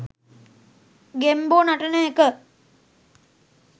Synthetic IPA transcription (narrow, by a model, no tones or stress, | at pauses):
ɡemboːnaʈɐnəekə